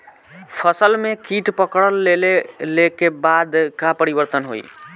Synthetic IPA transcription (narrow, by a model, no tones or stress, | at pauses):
pʰəsəlmekiʈpəkɽəlːelelekebad̪kapəɾibəɾt̪ənɦo̰j